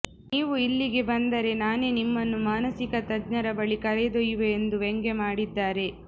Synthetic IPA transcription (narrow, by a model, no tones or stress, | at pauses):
niːʋuilːiɡe̞bɐnd̪ɐɾe̞naːne̞nimːɐnːumaːnɐsikɐt̪ɐd͡ʒɲɐɾɐbɐɭikɐɾed̪ɔjuʋeːnd̪uʋeŋɡemaːɽid̪ːaːɾe̞